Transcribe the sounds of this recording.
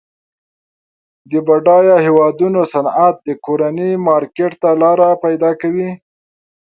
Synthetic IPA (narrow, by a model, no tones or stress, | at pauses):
d̪əbaɖɑjɑhewɑd̪unosanat̪̚d̪əkoɾanimɑɾkeʈt̪alɑɾapajd̪ɑkawi